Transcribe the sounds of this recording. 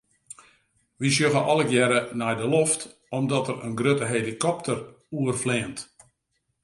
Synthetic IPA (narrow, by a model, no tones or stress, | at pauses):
ʋisjøɣəʔɔləɡjɛɾənɛjdəloft | ɔmdɔtəɾə̰nɡrøtəɦelikɔp̚tər | uərflɪənt